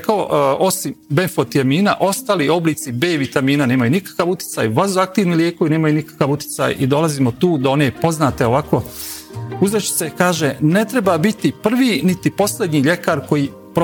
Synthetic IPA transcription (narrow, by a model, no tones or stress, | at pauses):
kaoo̞simbe̞nfot̪ijamiːnaʔo̞st̪aːlio̞bliːt̪sibe̞ːʋit̪amiːnane̞ːmajunikḁkaʋut̪i̥t̪a̰jʋazoak̚t̪iːʋniljeːkoʋine̞ːmajunikḁkaʋut̪i̥sa̰jʔḭd̪o̞laziːmot̪uːd̪oone̞po̞znaːt̪eo̞ʋako̞ | uzɾet͡ʃi̥t̪sekaːʒene̞t̪ɾe̞babit̪ipr̩ʋiːnit̪ipo̞sled̪ɲiːʎe̞kaːɾko̞jiː | pɾo